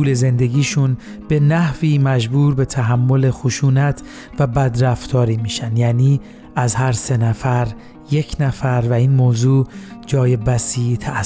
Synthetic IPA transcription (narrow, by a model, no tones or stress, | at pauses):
uːle̞ze̞nd̪e̞ɡiːʃun | be̞næhviːmæd͡ʒbuːɾbe̞t̪ʰæɦæmːo̞le̞xoʃuːnæt̪ʰ | væbæd̪ɾæft̪ʰɒːɾiːmiːʃænd̪jæːniː | æzhæɾse̞næfæɾ | je̞cʰnæfæɾvæiːnmoːzuːd͡ʒɒːje̞bæsiːt̪ʰæ